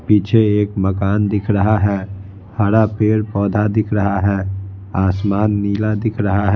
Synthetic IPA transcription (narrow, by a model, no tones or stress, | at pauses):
piːt͡ʃʰeeːkməkaːnd̪ɪkʰɾəɦaɦɛː | həɾapeːɾpɔːd̪ʱad̪ɪkʰɾəɦaɦɛː | aːsmaːnːiːlad̪ɪkʰɾəɦaɦɛ